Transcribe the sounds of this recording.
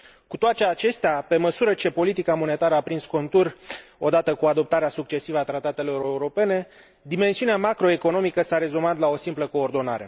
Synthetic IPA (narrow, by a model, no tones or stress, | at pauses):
kut̪oat̪t͡ʃeat͡ʃe̞st̪eape̞məsuɾət͡ʃe̞po̞lit̪ikamo̞ne̞t̪aɾəapɾinsko̞nt̪uro̞d̪at̪əkuad̪o̞p̚t̪aɾeasuk̚t͡ʃe̞sivəat̪ɾat̪at̪e̞lo̞ɾeuɾo̞pe̞ne̞ | d̪ime̞nsiuneamakɾo̞e̞ko̞no̞mikəsaɾe̞zumat̪lao̞simpləko̞ːrd̪o̞na̰ɾe̞